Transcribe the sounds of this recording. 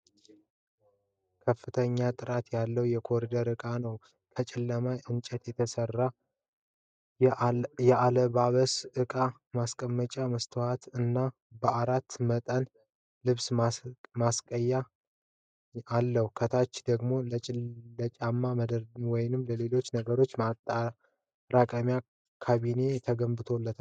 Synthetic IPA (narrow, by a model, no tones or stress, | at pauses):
kʰəfːɨt̪ʰəɲːat̪ʼɨɾat̪jalːəwjɛkʰo̞ɾid̪əɾɨkʼanəw | kʰət͡ʃʼɛlːəmajʔɨnt͡ʃʼɛt̪jɛt̪ʰəsərːa | jɛaləbaβəsʔɨkʼa | maskʼəmːət͡ʃʼaməst̪ʰəhat̪ɨnːa | bəʔaɾat̪ːmət̪ʼən | lɨβsmamaskʼəjːa | alːəhukʰət̪ʰat͡ʃːd̪əɡmo̞lət͡ʃʼlət͡ʃʼamːaməd̪wɔjɪnɨmːləle̞lo̞t͡ʃːnəɡəɾo̞t͡ʃːmat̪ʼa | ɾakʼəmja | kʰaβine̞t̪ʰəɡəmbɨt̪ʰo̞lːət̪ʰa